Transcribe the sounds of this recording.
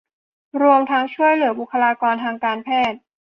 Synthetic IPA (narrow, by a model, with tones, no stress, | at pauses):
ɾu˧əmt̪ʰa˦˥ŋt͡ɕʰu˥˩əjlɯ˨˩˦ɐbu˨˩kʰːa˧laː˧kɔː˧nt̪ʰaː˧ŋkaː˧npʰɛː˥˩t̪̚